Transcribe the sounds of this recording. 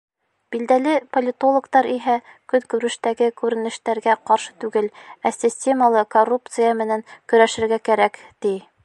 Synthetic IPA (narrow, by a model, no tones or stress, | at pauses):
b̥ild̪ælɘpolʲɪt̪olˠŏkt̪ɑɾiɦækɵnkʉɾɘ̆ʃt̪æɡɘkʉɾɘ̆nɘ̆ʃt̪æɾɡæqɒɾʃɤ̥t̪ʉɡɘlæsʲɪsʲtʲe̞məlˠɤkorːup̚t̪sɨjəmɘ̆næŋkɵ̆ɾæʃɘ̆ɾɡækæɾækt̪i